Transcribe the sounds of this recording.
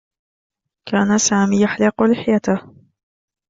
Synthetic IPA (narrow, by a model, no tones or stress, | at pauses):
kʰaːnasaːmiːjaħlɪqʊlɪħjat̪ah